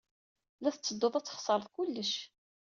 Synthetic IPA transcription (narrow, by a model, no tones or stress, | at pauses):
læθət͡sːəd̪ːoðˤæt͡sːə̥χsˤəɾˤəθkʊlːəʃ